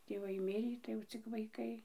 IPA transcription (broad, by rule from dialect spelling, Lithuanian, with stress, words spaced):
tʲeːˈʋɐɪ ˈmʲɪrʲiː tɐɪ jɛʊ ˈt͡sʲɪk ʋɐɪˈkɐɪ